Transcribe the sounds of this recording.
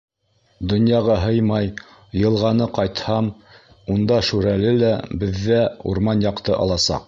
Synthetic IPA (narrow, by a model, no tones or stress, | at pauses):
d̪ŏnjɑʁɑɦɤjmɑj | jɤ̆lˠʁɑnɤqɑjt̪hɑm | und̪ɑʃʉɾælɘlæbɘ̆ðːæṵɾmɑnjɑqt̪ɤʔɑ̰lˠɑsɑ̰q